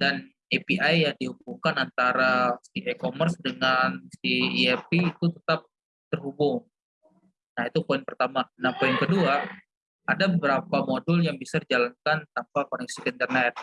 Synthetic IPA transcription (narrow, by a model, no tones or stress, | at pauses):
dan | epiʔajːaŋdihubukanant̪aɾasiʔekomərsdəŋansiiɛpiːt̪ut̪ət̪ap̚ | t̪ərɦubʊŋ | naɦit̪upoɪnpərt̪amanahpoɪnkədua | ʔadabəbəɾapamodʊljaŋbisadid͡ʒalankant̪ampakɔnɛksikəint̪ərnɛt̪̚